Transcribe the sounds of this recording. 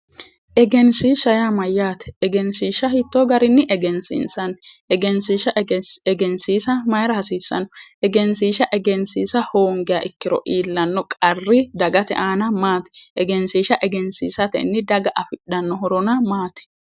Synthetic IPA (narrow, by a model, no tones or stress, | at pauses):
ʔɛɡɛnsiːʃɐjamɐjːaːt̪ɛ̥ːɡɛnsiːʃɐhit̪ːoːɡɐɾɪnːɪʔɛɡɛnsḭːnsɐnːʔɛɡɛnsiːʃɐɛɡɛnsiːsɐmɐjɾɐhɐsiːsːɐ̰nɔʔɛɡɛnsiːʃɐʔɛɡɛnsiːsɐhoːŋɡɪjɐ̰ʔɪkːɪɾɔ̰ʔiːlːɐnːɔkʼɐrːɪd̪ɐɡɐt̪ɛ̰ʔaːnɐmaːt̪ɛ̥ʔɛɡɛnsiːʃɐʔɛɡɛnsḭːsɐt̪ɛ̰nːɪd̪ɐɡɐʔɐfɪɗːɐnːɔɦɔɾɔnɐmaːt̪ɛ̥